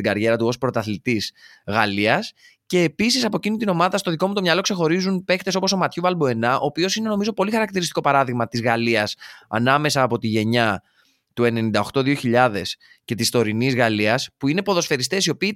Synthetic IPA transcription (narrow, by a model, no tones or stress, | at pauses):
iɡɐɾʝe̞ɾɐt̪uo̞spɾo̞t̪ɐθlit̪is | ɣɐliɐs | ce̞ːpisisɐpo̞cinit̪ino̞mɐðɐst̪o̞ðiko̞mut̪omɲɐlo̞kse̞xo̞ɾizunpe̞kt̪e̞so̞poso̞mɐt̪çuvɐlboe̞nɐʔo̞ːpio̞sine̞no̞mizo̞po̞lixɐɾɐkt̪iɾist̪i̥ko̞pɐɾɐðiɣmɐt̪izɣɐliɐsɐ̰nɐme̞sɐːpo̞t̪iʝe̞ɲɐ | t̪ue̞ne̞nind̪ɐo̞xt̪o̞ðio̞çiʎɐðe̞s | ce̞t̪ist̪o̞ɾinizɣɐliɐspuine̞po̞ðo̞sfe̞ɾist̪e̞sio̞piː